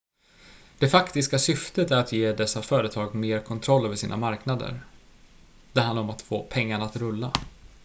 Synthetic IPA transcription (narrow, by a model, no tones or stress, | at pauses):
d̪̥ɛfakt̪ɪskasʏft̪ət̪æɾat̪jeːd̪ɛsːafœːɾət̪ʰɑːɡmeːɾkʰɔnt̪ʰɾɔlːœːvəʂḭːnʔa̰maɾknad̪ə̰ɾ | d̪̥ɛɾɦand̪aɾɔmat̪foːpʰɛŋːaɳaːt̪ɾɵlːa